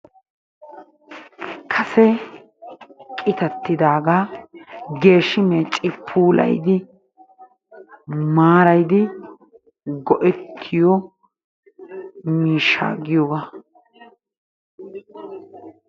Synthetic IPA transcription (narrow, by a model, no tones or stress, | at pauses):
kʰɐsɛ | kʼɪt̪ɐt̪ːɪd̪aːɡaː | ɡe̞ːʃːɪmeːt͡ʃʼɪpʰuːlɐ̰jd̪ɪ | maːɾɐjd̪ɪ | ɡɔʔɛtʰːɪjɔ | miːʃːa̰ːɡɪjɔba